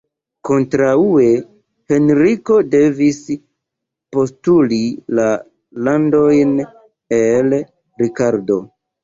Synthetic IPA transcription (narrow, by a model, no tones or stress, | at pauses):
ko̞ntɾaue̞ | he̞nɾiko̞de̞vis | po̞stulila | lando̞jn | e̞l | ɾikaɾdo̞